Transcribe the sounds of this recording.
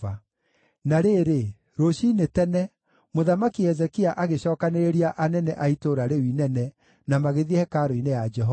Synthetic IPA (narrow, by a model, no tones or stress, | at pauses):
a | naɾeɾe | ɾoɕinetɛnɛ | moðamakiɛzɛkiaʔaɣeɕɔːkaneɾeɾiaʔanɛnɛʔaitoɾaɾewinɛnɛ | namaɣeðiɛhɛkaɾoinejad͡ʒɛɦɔ